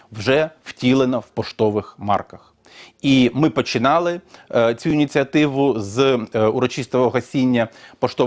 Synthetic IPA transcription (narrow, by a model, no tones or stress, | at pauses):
wʒɛwtʲilˠenɐwpɔʃt̪ɔʋɪxmɑ̰rkɐx | imɪpɔt͡ʃɪnɑlˠɪt͡sʲuinʲit͡sʲiɐt̪ɪʋʊzuɾɔt͡ʃist̪ɔʋɔɦɐsʲinʲːɐpɔʃt̪ɔ